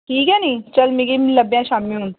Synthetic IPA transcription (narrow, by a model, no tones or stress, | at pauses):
ʈʰiːkɛnɐĩt͡ʃɐlmeɡimlɐbjãʃaːmiũn